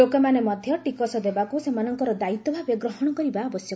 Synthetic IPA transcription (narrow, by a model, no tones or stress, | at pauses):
okɔmanemɔd̪ʱjɔʈikɔsɔd̪ebakusemanɔŋkɔɾɔd̪ait̪ɔbʱabeɡɾɔɦɔɽ̃ɔkɔɾibaɔbɔsjɔ